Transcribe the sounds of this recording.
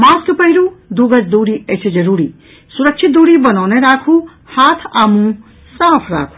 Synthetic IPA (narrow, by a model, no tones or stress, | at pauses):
mãːskpɐɦiɾud̪uɡɐd͡ʒd̪uːɽiət͡ʃʰed͡ʒɐɾuːɾi | suɾɐkt͡ʃʰit̪̚d̪uːɽibɐnɔːneɾaːkʰu | haːt̪ʰaːmũ | saːpʰɾa̰ːkʰu̥